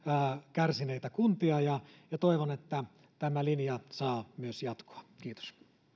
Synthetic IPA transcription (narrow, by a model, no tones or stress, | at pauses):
kærsineit̪ækunt̪iɑjɑjɑt̪oiʋonet̪ːæ | t̪æmælinjɑsɑːmyøsjɑt̪ko̥ɑ̥kiːt̪o̥s